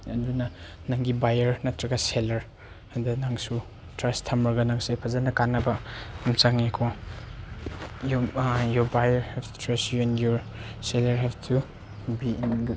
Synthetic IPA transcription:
ɐdunɐ | naŋɡibajɐɾnɐtɾɐɡɐselɐɾ | ɐdɐnaŋsu | tɾɐstʰɐmɾɐɡɐnaŋsajpʰɐzɐnɐkanːɐbɐimt͡ʃaŋikʰo | jjɔbajɐɾhɛbtɾɐsjuɛnjɔɾ | selɐɾɦɛftʰu | biinɡ

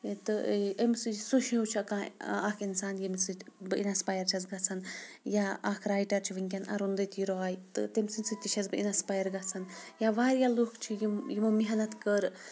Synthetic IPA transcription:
t̪ɨəmsɨd͡ʒsuʃiot͡ʃʰikãːakʰinsaːnjimsɨbɨḭnaspaːjɐɾt͡ʃʰɐzɡɐt͡sʰanjaakʰɾaːjʈɐɾt͡ʃʰiʋiŋkʲɐnɐ̰ɾund̪ɐt̪ʰiɾoɦaːjt̪ɨ̰t̪emsɨnʲsɨt̪ʲit͡ʃʰɐzbɨinaspaːjɐɾɡat͡sʰɐnjaʋaːɾjalukʰt͡ʃʰijimjimɐmiɦɐnɐt̪kəɾ

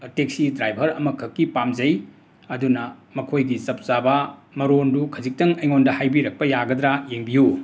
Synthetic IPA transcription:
teksidɾajbʱɐɾɐ̰mɐkʰɐkːipamzɐj | ɐdunɐmɐkʰojɡizɐp̚zabɐmɐɾondukʰɐzik̚tɐŋɐjŋondɐhajbiɾɐk̚pɐjaɡɐd̪ɾajeŋbiju

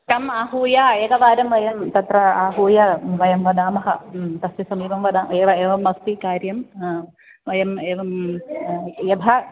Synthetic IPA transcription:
ʈɐmaːɦuːjaeɡɐʋaːɾɐmʋɐjɐmt̪ɐt̪rɐaːɦuːjɐʋɐjɐmʋɐd̪aːmɐɦɐt̪ɐstisɐmiːbɐmʋɐd̪aːeːʋɐeːʋɐmːɐst̪ikaːɾjɐm | ʋɐjɐmeːʋɐm | jed̪ʱɐ

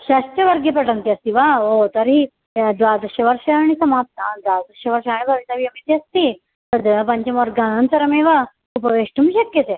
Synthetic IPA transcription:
ɕɐst̪ɐʋɐɾɡepɐʈənt̪iɐst̪iʋaot̪əɾɦi | d̪ʋad̪əɕɐʋəɾʂɐaɽ̃isɐmap̚t̪d̪ʋaɾd̪əɕɐʋɐɾʂaaɽ̃ibʱɐʋit̪aʋiɐmit̪iɐst̪i | t̪əd̪pɐɲt͡ɕemoɾɡanə̃nsɐɾɐmẽʋa | upəʋeʂʈumiɕɐkjət̪e

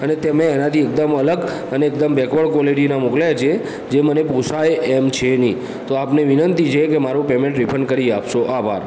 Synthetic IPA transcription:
ənet̪emẽːnat̪ʰiek̚d̪əmələɡ | əneːkd̪əmbɛkʰʋəɭkɔleɖinamokljat͡ʃʰe | d͡ʒemənepusajeemt͡ʃʰenĩ | t̪oapneʋinənt̪it͡ʃʰekemaɾũpemẽɳʈɾipʰəɳɖkəɾiapʃoʔaʋʱa̰ɾ

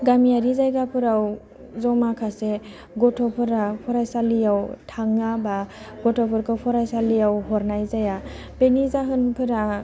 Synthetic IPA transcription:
ɡamijaɾizajɡapʰɯɾaw | zɔmakʰase | ɡɔtʰɔpʰɯɾapʰɔɾajsalijawtʰaŋaba | ɡɔtʰɔpʰɯɾkʰɯpʰɔɾajsalijawɦɔɾnajzaja | benizaɦɯnpʰɯɾa

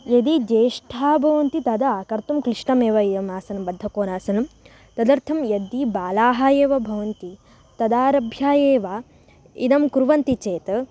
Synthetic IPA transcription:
jɐd̪id͡ʒ̪eːʂʈʰaːbʱɐʋɐnt̪it̪ɐd̪ɐaːkɐɾt̪umkɾiʂɳɐmeːʋɐid̪ɐmaːsɐnɐmbɐd̪ʱːɐkoːnaːsɐnɐm | t̪ɐd̪ɐɾt̪ʰɐmjɐd̪ibaːlaːɦaːjeːʋɐbʱɐʋɐnt̪i | t̪ɐd̪aːɾɐbʱjaːjeːʋaː | ḭd̪ɐmkuɾuʋɐnt̪it͡ʃeːt̪ɐ

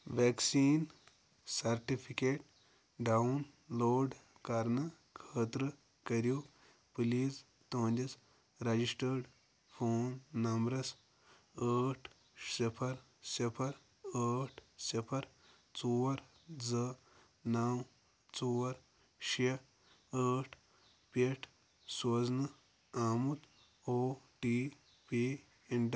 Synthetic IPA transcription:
ʋɛksiːn | sɐɾʈipʰikeːʈ̚ | ɖaunloːɖ | kaɾnɐ | kʰəːt̪ɾə | kɐɾjo | pɨliːz | t̪oːnd̪ɐs | ɾɐd͡ʑisʈəɾɖ | fʰoːnːɐmbɾɐs | əːʈʰ | sepʰɐɾ | sepʰɐɾ | əːʈʰsepʰɐɾ | t͡suʋɐɾ | d͡zə | naw | t͡suʋɐɾ | ɕe | əːʈʰ | peʈʰ | sod͡znɐ | aːmut̪ | oːʈi | pi | eɳʈ

